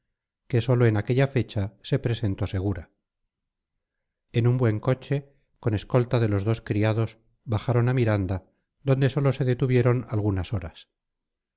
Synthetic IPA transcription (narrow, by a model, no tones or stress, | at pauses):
ke̞so̞lo̞enake̞ʎafe̞t͡ʃase̞pɾe̞se̞nt̪o̞se̞ɣ̞uɾa | enumbwe̞ŋko̞t͡ʃe | ko̞ne̞sko̞lt̪aðe̞lo̞zðo̞skɾiaðo̞s | βaxaɾo̞namiɾand̪a | ðd̪o̞nd̪e̞so̞lo̞se̞ðe̞t̪uβje̞ɾo̞nalɣunaso̞ɾas